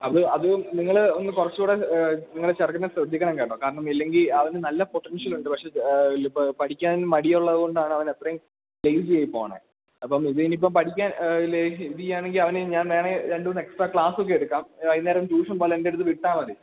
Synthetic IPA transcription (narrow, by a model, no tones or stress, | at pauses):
ɐðɨɐðɨniŋːɐɭo̞nːɨkurɐt͡ɕːɨuːɽeniŋːɐɭet͡ɕɐrkːɐnːesrɐd̪ʱːikʲːɐɳɐmŋkaːiʈːɐːkaːɾɐɳɐmilːe̞ŋɡilɐʋɐnɨnɐlːɐpoʈːɐnʂjɐluɳɖɨpɐkʂe̞ppɐʈʰikʲːaːnmɐɽijɐuɭːɐðɨɣo̞ɳɖaːɳɨɐʋɐnet̪rɐjum | lejsɨt͡ɕejipːo̞̰ːɐɳḛ | ɐpːɐmiðinip̬ːompɐʈʰikʲːaːnleiðijaːɳeŋɡilɐʋɐnɨɲaːnʋeːɳeɾeɳɖuʋɐnːeksʈraːkɭaːsok̬ːeeɽukːaːmɐðneːɾɐmt͡ɕuːʂɐmpoːlɐendeɽut̪ːɨʋiʈːaːmɐðɨ